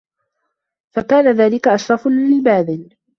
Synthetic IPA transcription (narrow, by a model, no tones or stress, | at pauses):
fakaːnaðaːlɪkaʔaʃɾˤɑflɪbaːd̪ɪl